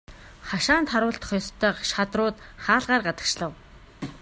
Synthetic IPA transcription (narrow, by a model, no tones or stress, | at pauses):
χaʃaːnt̪χaɾʊːɬt̪ɞ̥̆χjɔst̪ʰːœːqʃat̪rʊːt̪χaːɮʁaːrɢat̪ə̆kt͡ɕɮə̆w